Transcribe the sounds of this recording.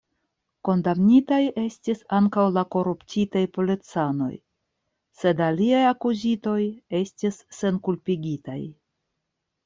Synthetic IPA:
ko̞ndamnitaje̞stisaŋkawlako̞ɾuptitajpolet͡sano̞̰j | se̞daliajakuzito̞je̞stisːe̞nkulpiɡʲita̰j

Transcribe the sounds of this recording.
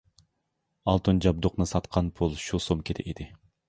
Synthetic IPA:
ɑlˠt̪ond͡ʒɑb̚d̪uqnɨsɑt̪qʰɑnpʰulˠʃusomkʲʰet̪ʰɛ̰ʔed̪ɪ

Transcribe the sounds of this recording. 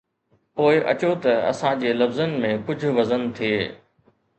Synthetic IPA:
poːɪʔɐ̰t͡ɕot̪ɐɐ̰sãd͡ʑeːlɐbzənɪ̆mẽkʊd͡ʑʱʊ̆ʋɐzən̆t̪ʰieː

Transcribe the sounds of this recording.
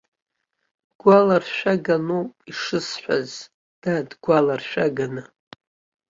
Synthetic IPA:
dɡʷalarʃᶣaɡanupiʂɨsħʷᶣa̰z | d̥adɡʷalarʃᶣaɡanɨ

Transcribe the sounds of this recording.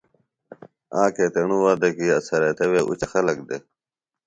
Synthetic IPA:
ãːkeːt̪eɳuwaːd̪ɐkiɐsɐɾet̪eweːʔṵt͡ɕxɐlɐk̚d̪e

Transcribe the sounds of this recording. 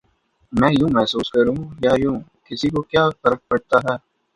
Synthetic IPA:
mɛ̃ːjũːmɛɦsuːskɐɾũːjaːjũː | kɪsikokjaːfɐɾək̚pɐɽt̪aɦɛː

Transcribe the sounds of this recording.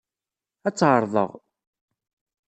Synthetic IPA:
æt͡sːʕəɾˤðˤə̰ʁ

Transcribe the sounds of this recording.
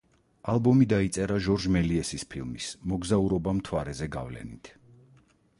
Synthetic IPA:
alˠbɔmid̪ait̪sʼɛɾaʒɔɾd͡ʒmɛliɛsispʰilˠmismɔɡzauɾɔbamt̪ʰwaɾɛzɛɡa̰vlɛ̰nḭt̪ʰ

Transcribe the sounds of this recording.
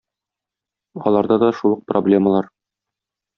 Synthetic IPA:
ɒ̰lˠɑɾd̪ɑd̪ɒʃulˠɤq̚problʲe̞məlˠɑɾ

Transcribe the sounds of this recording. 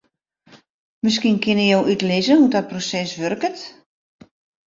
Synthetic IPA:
məs̬kinkɪnəjowʔytlɪzəhudɔt̚prosɛsʋørkət

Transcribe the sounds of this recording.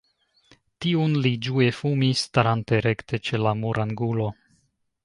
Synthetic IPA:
tiunlid͡ʒue̞fumistaɾanteɾe̞kte̞t͡ʃe̞lamuɾʔaŋɡulo̞

